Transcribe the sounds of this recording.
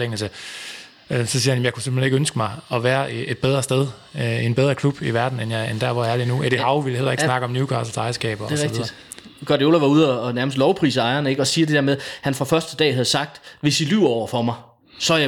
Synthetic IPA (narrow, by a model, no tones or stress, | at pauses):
leŋl̩sə | øsɒ̽siːɐhænjemjɑ̈ɪkʰu̥sem̥eneɡ̥ønsɡ̥əmɑ̈ɪɒ̽ʋæːɐʔe̝d̥̚b̥eð̞ˠʁɐsd̥eð̞ˠ | e̝nb̥eð̞ˠʁɐkʰlub̥iʋæɐd̥n̩enjɑend̥æɐʋɒjæɐlinueɾihɑ̈ʊʋilhel̰ɐeɡ̥snɑ̈ɡ̥əɒ̽mnjukʰɑsɐsɑ̈ɪɐsɡ̥ɛ̰ːb̥ɐde̝ʁɛ̥ɡðd̥ðiɐ̥d̥ | ɡ̥ɒd̥io̝ːlæʋɑ̈uð̞̰ˠɒːnæɐməsd̥lɒʊpʰʁḭːsəɑ̈ɪɐnəe̝ɡ̥ɒ̽siːɐd̥e̝d̥æɐmeðˠhænfʁɑ̈fɶɐsd̥əd̥ɛ̰ːɦæðˠsɑ̈ɡ̥̚d̥ʋe̝silyʊ̰ɒʊ̰ɐfɒ̽mɑ̈ɪ | sɒ̽j